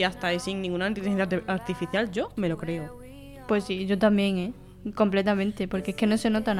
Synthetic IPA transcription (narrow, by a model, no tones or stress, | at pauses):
ast̪aesiŋnĩŋɡunant̪it̪iaɾt̪ifiθjald͡ʒo̞me̞lo̞kɾe̞o | pwe̞siʝo̞t̪ambje̞ŋe | ko̞mple̞t̪amẽnt̪e̞po̞ɾkeekeno̞se̞no̞t̪an